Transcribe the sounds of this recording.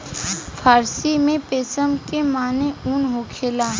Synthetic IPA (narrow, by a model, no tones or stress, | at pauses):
fʰaːɾsimẽpeːsəmkemaːneuːnɦoːkʰeːlaː